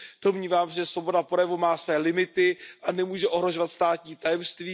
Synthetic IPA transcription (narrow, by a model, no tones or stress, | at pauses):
d̥omɲiːvaːmsɛʒɛsvo̞bo̞dapɾjɛvumaːsvɛːlɪmɪt̪ɪʔanɛmuːʒɛʔo̞ɦɾo̞ʒovat̪st̪aːt̪ɲiːt̪ajɛmst̪viː